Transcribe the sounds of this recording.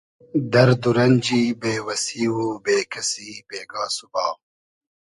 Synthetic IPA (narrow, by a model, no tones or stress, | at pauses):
d̪ɐɾd̪uɾɐnd͡ʒiːbeːwɐsiːwuːbeːkʰɐsiːbeːɡaːsubɑː